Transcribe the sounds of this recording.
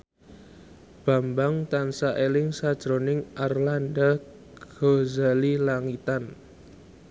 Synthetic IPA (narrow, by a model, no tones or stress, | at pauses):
b̥a̤mbaŋt̪ansaʔelɪŋsad̥ʒ̥ɾonɪŋarland̪a | ɡɡ̥ozalilaŋit̪an